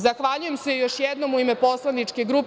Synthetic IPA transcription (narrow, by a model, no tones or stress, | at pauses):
zaxʋaʎuje̞msejoʃjɛd̪no̞muimepo̞slˠanit͡ʂkeɡɾup